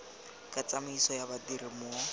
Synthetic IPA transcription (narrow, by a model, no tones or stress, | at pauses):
kʼat͡samisɔjabadirimʊ